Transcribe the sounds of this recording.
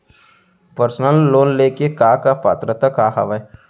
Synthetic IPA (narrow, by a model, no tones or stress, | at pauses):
pəɾsnəlːoːnleːkekaːkapa̰ːt̪ɾət̪akaːɦə̰ʋae